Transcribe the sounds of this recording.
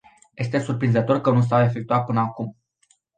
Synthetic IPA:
je̞st̪e̞surpɾinzət̪o̞rkənus̬awe̞fek̚t̪uat̪̚pɨnəakum

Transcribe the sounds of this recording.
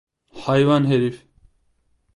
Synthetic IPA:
hajʋanɦeɾif

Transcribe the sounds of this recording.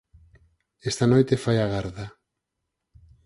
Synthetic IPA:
est̪anojt̪efajaɣaɾðɐ

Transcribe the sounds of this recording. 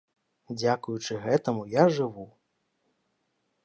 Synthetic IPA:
d͡zʲakujut͡ʂɨɣɛt̪ɐmujaʐɨvu

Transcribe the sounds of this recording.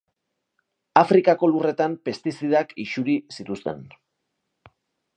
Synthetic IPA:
afɾikako̞lure̞t̪ampe̞st̪isiðakiʃuɾisit̪ust̪e̞̰n

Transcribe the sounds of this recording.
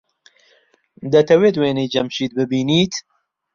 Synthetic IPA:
d̪ɐt̪ʰɐweːt̪weːnejd͡ʒɐmʃiːt̪̚bɨbiːniːt̪

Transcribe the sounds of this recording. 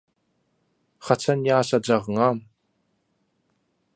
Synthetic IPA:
χɑt͡sʰanjaːsad͡ʒɑʁŋaːm

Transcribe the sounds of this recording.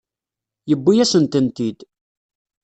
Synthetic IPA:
jəbːijæsənt̪ənt̪id̪

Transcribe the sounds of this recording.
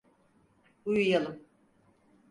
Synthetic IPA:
ujujalˠɯm

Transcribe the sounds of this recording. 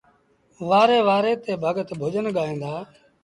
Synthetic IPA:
ʋaːɾeːʋaːɾeːt̪eːbʱəɠət̪bʱod͡ʒənɠaːẽːnd̪aː

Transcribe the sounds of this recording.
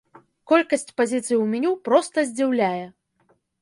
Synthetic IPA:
kɔlʲkɐsʲt͡sʲpazʲit̪sɨjiwmʲɛnʲupɾɔst̪ɐzʲd͡zʲiwlʲajɛ

